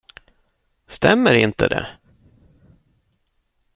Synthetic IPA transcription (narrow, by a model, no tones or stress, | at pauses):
st̪ɛmːəɾɪnt̪əd̪ɛ̰